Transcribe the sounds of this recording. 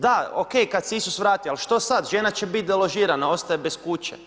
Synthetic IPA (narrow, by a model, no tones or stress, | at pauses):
d̪ao̰ke̞jkad̪seisusʋɾaːt̪ialʃt̪o̞sad̪ʒenat͡ɕe̞bit̪̚d̪elo̞ʒiːɾanao̞st̪ajebe̞skut͡ɕḛ